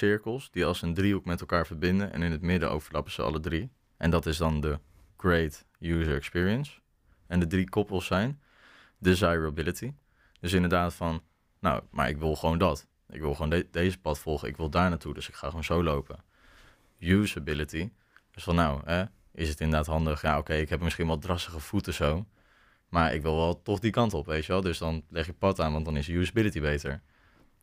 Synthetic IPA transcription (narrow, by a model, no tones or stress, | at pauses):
sɪɹkəlˠsdiɑlˠsəndriokmɛtɛlˠkaːɹvəɹbɪndənʔɛ̰nɪnətmɪdə̰ʔo̰wv̥əɹlɑpəz̥əɑ̰lədri | ʔɛndɑtɪzdɑndə | ɡ̥ɹejt | juːzəɹɛkspɪːɹiəns | ɛndədrikɔpəlˠsɛjn | dizajɹabɪləti | d̥øs̬ɪ̃ndəɹdaːtfɑnː | a̰wma̰ɹɪ̰kʋɪlˠχəʋowndɑt | ɪ̰kʋɪlˠχəʋowndejzəpɑtfɔlˠχəɪ̰kʋɪlˠdaːɹnaːtudɵsɪkχaːχoːnzowlowpə | jusəbɪləti | d̥øsfɑnːawɦɛ | ɪsətɪndə˞daːtɦɑndəχja̰ːowkejɪkɦɛpəmɪsχinʋɑlˠdrɑstəχəv̥utəzow | maːɹʔɪ̰kʋɪlˠʋɛlˠtɔχdikɑntɔpʋejtəʋɛlˠdɵsdɑnlɛχjəpɑtaːnʋɑntdɑnɪsjusəbɪlətibejtəɹ